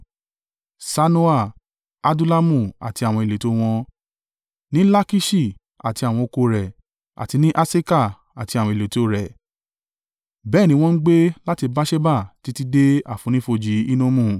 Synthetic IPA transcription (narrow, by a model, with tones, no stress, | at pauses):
sa˧nũ˦a˦˨ | a˧du˦la˦mũ˦˨a̰˨ti˧a˨w̃ɔ̃˧e˨le˨to˨˧w̃ɔ̃˧ | nĩ˨˦la˦ki˦ʃi˦˨ | a̰˨ti˧a˨w̃ɔ̃˧o˧ko˧ɾɛ˨ | a̰˨ti˧nĩ˦ʔa˦se˦ka˦˨ | a˨ti˧a˨wɔ̃˧i˨le˨to˨˧˦ɾɛ˨ | bɛ˦˨nĩ˧˦w̃ɔ̃˦n̩˦ɡ͡be˦la˦ti˧ba˦ʃɛ˦ba˦˨ti˧˦ti˧de˦a˨fũ˨˦nĩ˦fo˧d͡ʒi˨˦i˦nõ˦mũ˦˨